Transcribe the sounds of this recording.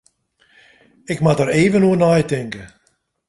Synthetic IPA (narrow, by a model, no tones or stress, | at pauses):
ɪkmatəɾeːvənuənajtɪŋkə